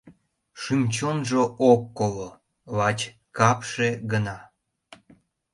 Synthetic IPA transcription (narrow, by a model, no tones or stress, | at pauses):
ʃymʲt͡ɕonʒookːolo | βɑt͡ɕ | kɑpʃeɡənɑ